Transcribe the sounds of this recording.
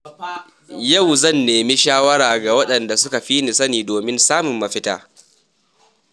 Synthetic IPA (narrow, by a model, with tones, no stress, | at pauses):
jɐ˦˨wzɐ˦˨nːeː˨mi˦ʃaː˦wɐ˦ɽaː˨ɡa˨wɐ˦ɗɐ˨nda˨sʊ˦ka˨ɸi˦nɪ˨sɐ˦niː˨doː˨mɪ˦nsaː˦mʊ˨mːɐ˨ɸɪ˦ta̰ː˦